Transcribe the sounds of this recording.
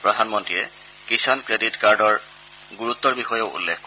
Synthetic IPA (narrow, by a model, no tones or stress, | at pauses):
pɹɔdʱanmɔntɹijɛ | kisɔnkɹeditkaɹdɔɹ | ɡuɹut̪ːɔɹbixɔjɔʊṵlːexk